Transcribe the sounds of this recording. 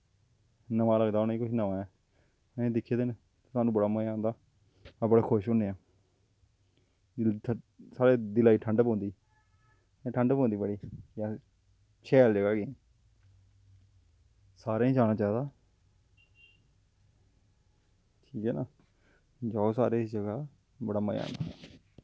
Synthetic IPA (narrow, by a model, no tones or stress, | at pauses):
nəʋaːləɡd̪aːʊnːĩːkʊʃʰnaːaːɛː | ẽːd̪ɪkʰːeːd̪eːne | t̪ːsaːnũːbəɽaːməãːnd̪aː | bəɽaːkʰʊʃoneːaː | saːɾeːd̪ɪlaːiːʈʰəɳɖpõːnd̪iː | ʈʰəɳɖpõːnd̪iːbəɽiːjãː | t͡ʃʰɛːld͡ʒəɡaːɡẽ | saːɾẽːĩːd͡ʒaːñaːt͡ʃaːd̪aː | ʈʰiːkɛːnaː | d͡ʒasaːɾeːsd͡ʒəɡaː | bəɽaːməjã̰ːnd̪a̰ː